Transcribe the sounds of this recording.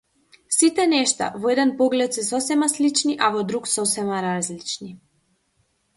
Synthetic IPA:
sit̪ɛnɛʃt̪a̰vɔɛd̪ɛnpɔɡlɛt̪sɛsɔsɛmaslit͡ʃniʔavɔd̪ɾuksɔsɛmaɾazlit͡ʃni

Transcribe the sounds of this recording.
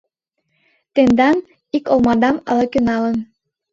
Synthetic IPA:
t̪end̪ɑn | ikolmɑd̪ɑmə̰lɤkynɑlən

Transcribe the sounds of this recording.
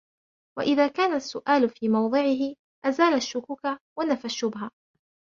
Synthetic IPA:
waʔɪðaːkaːnasːʊʔaːlʊfiːmɑwðˤɨʕɪɦɪ | ʔazaːlaʃːʊkuːkawanafaʃːʊbɦa

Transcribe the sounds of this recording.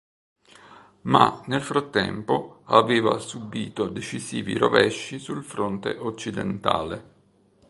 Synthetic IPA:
manelfɾat̪ːɛ̰mpoaveːva̰subiːt̪od̪et͡ʃisiːvḭɾovɛʃːisulfɾont̪eʔot͡ʃːid̪ent̪a̰ːle

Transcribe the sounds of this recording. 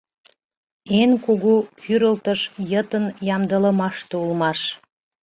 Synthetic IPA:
enkoɣokʰyɾəlt̪əʃjət̪ənjɑmd̪ələmɑʃt̪eulmɑʃ

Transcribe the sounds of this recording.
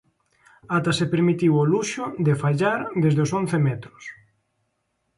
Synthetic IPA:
at̪asepeɾmit̪iwoluʃʊd̪efaʎaɾðezðeoson̟θemɛt̪ɾʊs

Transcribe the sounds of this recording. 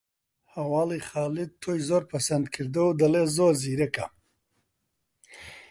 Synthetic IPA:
hawɑːliχɑːlɪd̪̚t̪ʰojzoɾpasand̪kʰiɾd̪owd̪alezoɾziɾeka̰

